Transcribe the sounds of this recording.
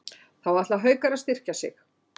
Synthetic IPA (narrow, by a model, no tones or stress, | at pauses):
θawvaɾaht̪laɦœːɥkaɾaðst̪ɪr̥casɪ̰x